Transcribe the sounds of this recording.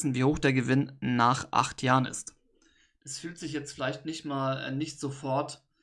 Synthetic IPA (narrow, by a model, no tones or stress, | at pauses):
sn̩viːhoːxd̥eːɐɡəvɪnːaːχʔa̰χtʰjaːʁənɪ̰st | d̥asfyːltz̥ɪçjɛt͡stfɪlaɪçtnɪçtmaːlɛ̰nɪçtz̥ofɔɐt